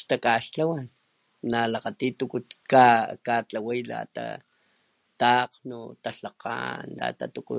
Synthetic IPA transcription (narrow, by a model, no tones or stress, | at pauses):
ʃt̪akaʃt͡ɬawan | nalaqat̪it̪ukut̪kakat͡ɬawajla̰t̪a̰ | t̪aqnut̪aɬaqa̰nla̰t̪at̪ukṵ